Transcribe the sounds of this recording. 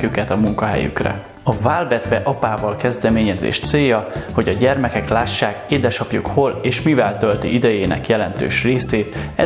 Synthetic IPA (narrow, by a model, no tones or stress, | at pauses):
kykɛt̪ɒmuŋkɒɦɛ̰jy̰krɛ̰ | ɒvaːlbɛd̪vɛʔɒpaːvɒlkɛzd̪ɛmeːɲɛzḛːʃt̪seːjɒho̞ɟɒɟɛrmɛkɛklaːʃːaːkeːd̪ɛʃɒpjukho̞leːʃmivɛlt̪ølt̪ḭʔid̪ɛjeːnɛ̰kjɛlɛnt̪ø̰ːʃreːseːt̪ɛ